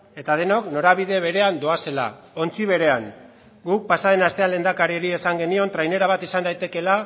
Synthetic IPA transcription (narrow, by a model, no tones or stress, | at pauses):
e̞t̪að̞e̞nokno̞ɾaβiðe̞βe̞ɾe̞and̪o̞ase̞la̰ | o̞nt͡siβ̞e̞ɾe̞aŋ | ɡuk̚pasaðe̞nast̪e̞anle̞nd̪akaɾieɾie̞saŋɡe̞nio̞nt̪ɾajne̞ɾaβ̞at̪isand̪ajt̪e̞ke̞la